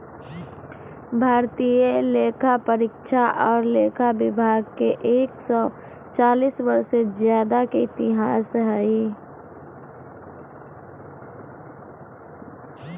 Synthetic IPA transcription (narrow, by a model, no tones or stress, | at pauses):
bʱaːɾt̪ieleːkʰapəɾɪkʃaʔɔːɾleːkʰabɪbʱaːɡ̚keʔeːksɔ | t͡ʃaːliːsbəɾsezjaːd̪akeɪt̪ɪɦaːsɦɛi